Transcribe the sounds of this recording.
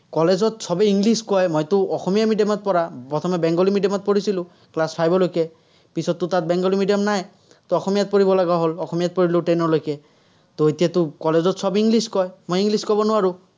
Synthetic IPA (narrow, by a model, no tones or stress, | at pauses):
kɔlezɔtsɔbɛiŋɡliskɔjmɔjtʊɔxɔmijamidjɔmɔt̚pɔɹapɔt̪ʰɔmɛbɛŋɡɔlimidjɔmɔt̚poɹisilʊ̃ | klaspʰajbɔlojkɛ | pisɔt̪ːʊtat̚bɛŋɡɔlimidiɔmnaj | t̪oɔxɔmijat̚pɔɹibɔlaɡaɦolɔxɔmijat̚pɔɹiloʈenɔɹlojkɛ | toetijatʊkɔlezɔtsɔbiŋɡliskɔjmojiŋɡliskɔbɔnʊwaɹʊ